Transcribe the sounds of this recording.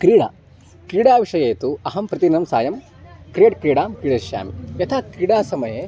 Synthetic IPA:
kɾiːɽa̰ː | kɾiːɽaːʋiʂɐjeːt̪uɐɦɐmpɾɐt̪inɐmsaːjɐm | kɾijɐʈkɾiːɽaːmkɾiːɽɐʃja̰ːmijɐt̪ʰaːkɾiːɽaːsɐmɐjeː

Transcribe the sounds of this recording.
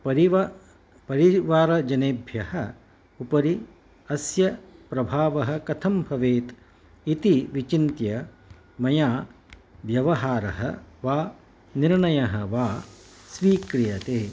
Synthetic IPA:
pɐɾi | pɐɾiʋaːɾɐd͡ʒɐneːbʱjɐhɐ | upɐɾi | ɐsjɐpɾɐbʱaːʋɐɦɐ̆kɐt̪ʰɐmbʱɐʋeːt̪ | it̪iʋit͡ʃint̪jɐ | mɐjaː | ʋjɐʋɐɦaːɾɐɦɐ̰ʋaː | niɾɳɐjɐɦɐʋaː | sʋiːkɾijɐt̪eː

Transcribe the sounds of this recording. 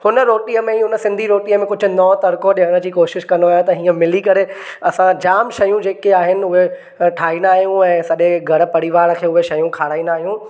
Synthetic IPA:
hʊnəɾoːʈiəmẽiɦʊnəsɪ̃nd̪ʱiɾoːʈiːəmẽkʊd͡ʑʱʊ̆nɔːt̪ɐɾkoɗɪɦəɽ̃əd͡ʑiːkoːʃɪʃkɐ̃noaːjot̪ɐɦiːə̃mɪlikɐɾe | ɐsãd͡ʑaːmʃɐjũd͡ʑeːkeaːɦɪnɪ̆ʊɦe | ʈʰaːĩːnd̪aːɦijũɛ̃ːsɐɗeɡʱɐɾ̆pɐɽiʋaːɾkʰeːʊɦeʃɐjũkʰaːɽaːĩːnd̪aːɦijũ

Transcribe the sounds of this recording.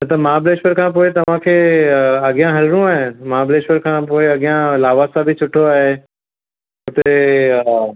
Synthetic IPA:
mɐt̪əmãːbleːʃpəɾkʰãːp̬oːɪt̪ɐʋãkʰeɐɠɪjãɦɐlɾũaːɦẽmãːbleːʃpəɾkʰãːpoːeɐɠjãlaːʋasabʱɪt͡ɕʰʊʈʰoaːɦe | ʊt̪e

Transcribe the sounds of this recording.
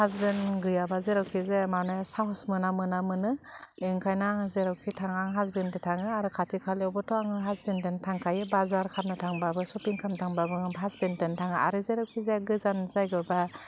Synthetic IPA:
hazbenɡɯjabazeɾawkʰizemanɔjasaɦsmɯnamɯnamɯnɯeŋkʰajnaŋzeɾawkʰitʰaŋaŋɦazbentitʰaŋɯaɾɯkʰatʰikʰaleɔbɔtʰɔaŋɯɦazbententʰaŋkʰajɯbazaɾkʰap̚nɯtʰaŋbabɯsɔpiŋkʰamtʰaŋbabɯŋɦazbententʰaŋɯa̰ɾɯzeɾawkʰizeɡɯzanzajɡɯba

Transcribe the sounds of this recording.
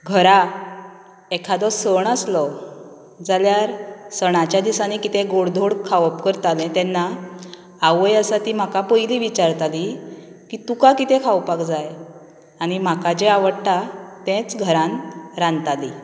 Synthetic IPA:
ɡʱəɾa | ekʰad̪ɔsəɳəslɔ | d͡zaljaɾsəɳat͡ɕjad̪isanikit̪eɡoɽd̪ʱoɽkʰaʋpkəɾt̪alɛ̃t̪ɛnːaː | ʋəjəsat̪im̤akapəjliʋit͡ɕaɾt̪ali | kit̪ukakit̪ẽkʰawpakd͡zaj | añim̤akad͡ʑeaʋəɽʈat̪ɛ̃t͡sɡʱəɾãnɾãnt̪ali

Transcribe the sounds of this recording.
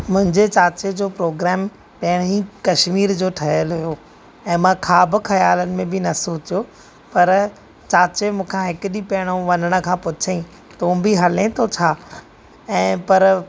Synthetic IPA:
mʊ̃ɦɪ̃ɲd͡ʑet͡ɕaːt͡ɕed͡ʑoːpɾoːɡɾɛːm | pɐɦɽ̃ĩkɐʃmiːɾd͡ʑoːʈʰɐɦəlɦʊjo | ɛ̃ːmãkʰaːbɪkʰɐjaːlənɪ̆mẽbɪnɐsoːt͡ɕijo | pɐɾ | t͡ɕaːt͡ɕemũːkʰãɦɪkɗipɐːɪɽ̃oʋɐnəɽ̃ə̆kʰãːpʊt͡ɕʰeĩ | t̪ũːbiɦɐlẽt̪ʰot͡ɕʰaː | ɛ̃ːpɐɾ

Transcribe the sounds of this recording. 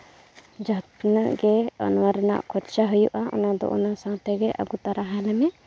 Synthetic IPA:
d͡ʒət̪naʔɡɛa̰nwaɾna̰ʔkʰɔtt͡ʃaɦujuʔaʔɔ̰nad̪ɔ̰ʔɔnasãt̪ɛɡɛʔa̰ɡut̪aɾaɦalɛmɛ

